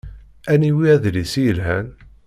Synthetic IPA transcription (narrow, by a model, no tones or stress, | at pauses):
æniwiæðlisijəlɦæn